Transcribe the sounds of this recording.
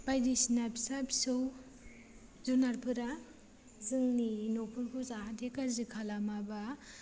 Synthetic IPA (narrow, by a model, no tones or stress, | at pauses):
b̥ajdisinapi̥sabi̥sɯw | zunaɾpʰɯɾa | zɯŋninopʰuɾkʰuzaadekazikʰalamaba